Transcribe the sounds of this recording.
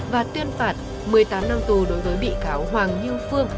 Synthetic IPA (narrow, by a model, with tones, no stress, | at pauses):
vaː˨˩t̪wi˧ənfaː˨˩t̚ | mɨ˨˩əjt̪aː˨˦mna˧mt̪u˨˩ɗo˨˦jvəː˨˦jɓḭ˧˨kaː˨˦wɦwaː˨˩ŋɲɨ˧əfɨ˧əŋ